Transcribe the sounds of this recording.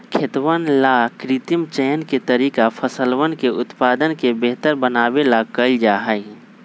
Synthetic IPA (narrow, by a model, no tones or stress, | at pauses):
kʰɪt̪ʋənlakɾit̪imt͡ʃɛːənket̪əɾiːkapʰəsəlwənkeʊt̪paːd̪ənkebeɦt̪əɾbənaːbelakəld͡ʒaːɦəi